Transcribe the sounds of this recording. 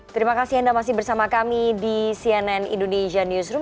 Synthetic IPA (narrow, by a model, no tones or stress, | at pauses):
t̪əɾimakasiandamasɪhbərsamakamidisiɛnɛnḭndoneʃanjusɾu